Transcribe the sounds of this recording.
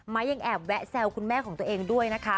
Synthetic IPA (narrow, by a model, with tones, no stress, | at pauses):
maː˦˥˩jːa˧ŋʔɛː˨˩p̚wɛ˦˥t̚sɛ˧wkʰu˧nmɛː˥˩kʰɔː˩˦ŋt̪ːɐʔeː˧ŋdu˥˩əjna˦˥kʰa˦˥